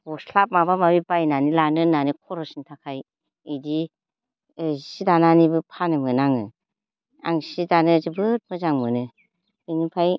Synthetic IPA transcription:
bɔslap̚mabamabibajnanilanɯnanikʰɔɾɔsintʰakʰaj | ɯdi | ɯsidananibɯpʰanɯmɯnaŋɯ̰ | a̰ŋsidanɯzɯbɯt̚mɯzaŋmɯnɯ | ɯnipʰaj

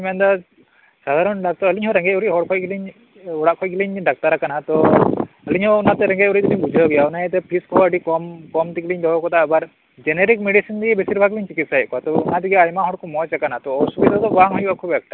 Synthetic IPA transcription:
mɛnd̪a | sad̪ʱaɾɔnɖak̚t̪ɔəliɲɦɔɾɛŋɡeuɾiɦɔɽkʰɔjɡiliɲ | ɔɽaʔkʰɔjɡiliɲɖak̚t̪aɾakanɦat̪ɔ | əliɲɦɔunat̪ɛɾɛŋɡejuɾit̪iliɲbud͡ʒʱɔɡɛjaunajɛt̪ɛpʰiskɔɦɔəɖikɔmkɔmt̪ikliɲd̪ɔɦɔkɔt̪abaɾ | d͡ʒeneɾikmeɖisind̪iɡɛbesiɾbʱaɡliɲt͡ʃikit̪sajʔkɔat̪ɔunad̪iɡɛajmaɦɔɽkʰumɔt͡ʃakanat̪ɔɔsubid̪ʱat̪ɔbaŋɦɔjuakʰubɛk̚ʈa

